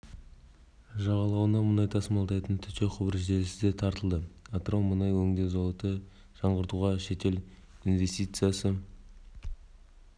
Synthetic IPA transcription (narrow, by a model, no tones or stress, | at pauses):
ʒɑʁɑlˠɑwənɑmənɑjt̪ʰɑsmɑlˠd̪ɑjt̪ənt̪ʰʏt̪e̞qʰʊbɾʒe̞lɪsɪzd̪e̞t̪ʰɑɾt̪əlˠd̪əat̪romənɑjwɵŋd̪ezolˠət̪ə | ʒ̥ɑɴʁəɾt̪uʁɑʃe̞t̪e̞l | invʲe̞st̪ijt̪sɨjasə